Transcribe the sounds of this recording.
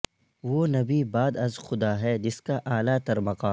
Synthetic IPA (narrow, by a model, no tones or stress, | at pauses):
ʋoːnɐbibaːd̪ɐzxʊd̪aːɦɛːd͡ʒɪskaʔaːlaːt̪ɐɾmɐqaː